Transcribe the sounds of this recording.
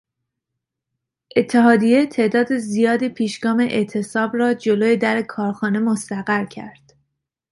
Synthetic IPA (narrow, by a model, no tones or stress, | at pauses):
ʔe̞t̪ʰːe̞ɦɒːd̪ije̞t̪ʰe̞ʔd̪ɒːd̪ezijɒːd̪ipʰiːʃɡɒːme̞ʔeʔt̪ʰe̞sɒːbɾɒːd͡ʒo̞loːjed̪æɾekʰɒːɾxɒːne̞most̪æɣæɾcʰæ̰ɾd̪̥